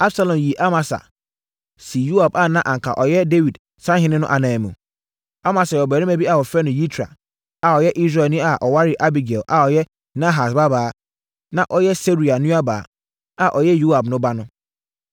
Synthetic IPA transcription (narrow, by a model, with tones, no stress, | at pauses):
a˦bsa˨lɔ̃˨mji˨ʔa˦mã˨sa̰˨ | si˨ju˦a˨ba˨nã˦ʔã˨ŋkʰa̰˨ʔɔ˨jɛ˦de˦wi˨d | sã˦ɦɪ̃˦nɪ̃˦nʊ̃˦ʔa˨nãː˨mṵ̃˨ | a˦mã˨sa˨jɛ˨ɔ˨bæ˨ĩ˦mæ˨bi˦a˨ɔ˨fɾɛ˦nʊ̃˨ji˦tʰɾa̰˨ | a˨ɔ˨jɛ˦ʔi˦s̬ɾaː˨nĩ˦a˨ʔɔ˨wa˦ɾɪ˦ʔa˦bi˨ɡɛ˨lʔa˨ɔ˨jɛ˦ | nã˦ɦa˨sba˦baː˨˦ | nã˨ʔɔ˦jɛ˦se˦ɾi˨a˨nũ˦a˦ba̰ː˨˦ | a˨ʔɔ˨jɛ˦ju˦a˨bnʊ̃˦ba˦nʊ̃˦